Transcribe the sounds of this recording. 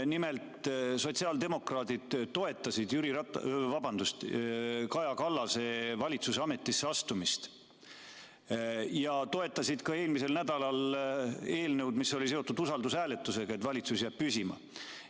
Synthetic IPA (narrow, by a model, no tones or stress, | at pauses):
nime̞lt̪so̞t̪siɑld̪e̞mo̞krɑːd̪id̪̥t̪o̞e̞t̪ːˑɑsid̪jyɾiɾɑt̪vɑbɑnd̪ust̪kɑjɑkɑlːɑse̞vɑlʲit̪suseɑme̞t̪ːˑisːeɑst̪umist̪ | jɑt̪o̞et̪ːˑɑsid̪̥kɑe̞ːlmise̞lnæd̪̥ɑlɑl | e̞ːlne̞wd̪̥misːo̞lis̬e̞o̞t̪ːˑud̪usɑld̪usæːle̞t̪ːˑuse̞ɡ̥ɑe̞t̪vɑlʲit̪susjæːb̥̚pysʲimɑ̰